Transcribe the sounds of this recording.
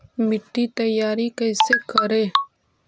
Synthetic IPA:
mɪʈːit̪ɐjːaːɾikɛːsekɐɾẽː

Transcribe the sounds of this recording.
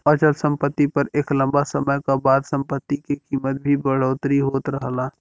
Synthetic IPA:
ət͡ʃəlsə̃mpət̪ːipɐɾeːklə̃mbasəməjkabaːd̪sə̃mpət̪ːikekiːmət̪̚bʱibəɽ̤oːt̪ɾiɦoːt̪ɾəɦla

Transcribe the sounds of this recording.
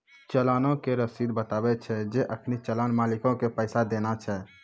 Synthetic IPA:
t͡ʃəlaːnõkeɾəsid̪bət̪aːbɛt͡ʃʰɛd͡ʒeʔəkʰnit͡ʃəlaːnmaːlikõkepəɪsad̪enat͡ʃʰɛ

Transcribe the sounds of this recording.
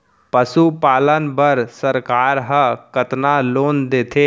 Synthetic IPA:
pəsupaːlənbəɾsəɾkaːɾɦə̃kət̪naloːnd̪eːt̪ʰe

